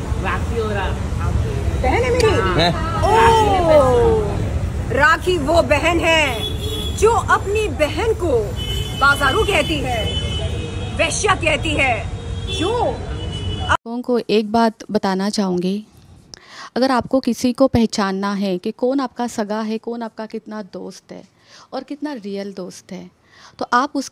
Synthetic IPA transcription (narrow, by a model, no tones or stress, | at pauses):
ʋaːiɦoːɾaː | bɛɦɛnɦɛmeːɾio | ɾaːkʰiʋobɛɦɛnɦɛ̃ː | d͡ʒoːʔɐpnibɛɦənko | baːzaːɾũkɛɦt̪iɦɛː | ʋeːʃjakɛɦt̪iɦɛːd͡ʒoː | õkoʔeːk̚baːt̪bɐt̪aːnat͡ʃaːɦõːŋɡeː | ɐɡəɾaːp̚kokɪsikopɛɦt͡ʃaːnːaɦɛkekɔːnaːp̚kasɐɡaɦɛkɔːnaːp̚kakɪt̪nad̪oːst̪ɦɛ̰ː | ɔːɾkɪt̪naɾiːjəld̪oːst̪ɦɛː | t̪oʔaːpʊs